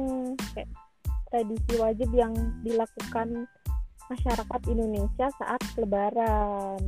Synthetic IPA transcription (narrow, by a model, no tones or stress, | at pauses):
ŋk | t̪ɾadisiwad͡ʒɪbjaŋdilakukan | maʃaɾakat̪indonesiasa̰ʔat̪̚kələbaɾan